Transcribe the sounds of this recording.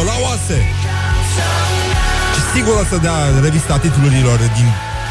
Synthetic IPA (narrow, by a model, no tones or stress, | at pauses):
olawase | ʃisiɡuɾəsəd̪eare̞vist̪at̪it̪uluɾilo̞rd̪in